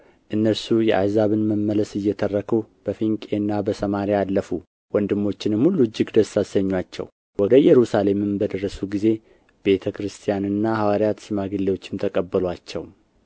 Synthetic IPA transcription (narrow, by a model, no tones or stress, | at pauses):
ʔɨnːəɾsujɛ̰ʔa̰jzaβɨnməmːələsɨjːɛt̪ʰərːəkʰub̥əfiŋkʼe̞nːabəsəmaɾialːəfu | wɔnd̪ɨmːo̞t͡ʃːɪnɨmhulːud͡ʒːɪɡd̪əsːasəɲːwat͡ʃːɛ̰w | wɔd̪əjɛɾusale̞mɨmbəd̪ərːəsuɡize̞ | b̥e̞t̪ʰəkɾɨst̪ʰijanɨnːahawaɾjat̪sɨmaɡɨlːewo̞t͡ʃːɪmt̪ʰəkʼəbːəlwat͡ʃːɛw